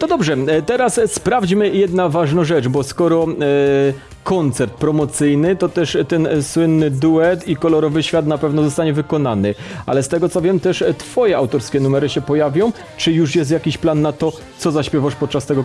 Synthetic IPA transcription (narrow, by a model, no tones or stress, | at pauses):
t̪ɔd̪ɔbʐɛt̪ɛɾasspɾavd͡ʑmɘjɛd̪navaʐnɔ̃w̃ʐɛt͡ʂbɔskɔɾɔ | kʰɔnt̪sɛɾt̪̚pɾɔmɔt̪sɘjnɘt̪ɔt̪ɛʂt̪ɛnswɘnːɘd̪uɛt̪ikɔlɔɾɔvɘɕfʲjat̪napɛvnɔzɔst̪aɲɛvɘkɔnanɘʔa̰lɛst̪ɛɡɔt̪sɔvʲjɛmt̪ɛʂt̪fɔjɛawt̪ɔɾskʲɛnumɛɾɘɕɛpɔjavʲjɔ̃w̃ | t͡ʂɘjuʂ̬jɛst̪jakʲiɕplanːat̪ɔ | t̪sɔzaɕpʲjɛvaʂpɔt̪̚t͡ʂast̪ɛɡɔ